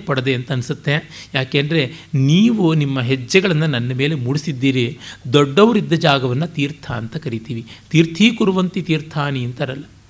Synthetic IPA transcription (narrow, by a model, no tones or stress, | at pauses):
pɐɽɐd̪eɐnt̪ɐɐnisut̪ːejaːkeːnd̪ɐɾe̞niːʋunimːɐɦɛd͡ʒːɐɡɐɭɐnːɐnɐnːɐme̞ːlemuɽisid̪ːiːɾid̪ɔɖːɐʋɐɾid̪ːɐd͡ʒaːɡɐʋɐnːɐt̪iːɾt̪ʰaːnt̪ɐkɐɾit̪iːʋit̪iːɾt̪ʰiːkuɾuʋɐnt̪it̪iːɾt̪ʰaːniɐnt̪ɐiɾɐlːɐ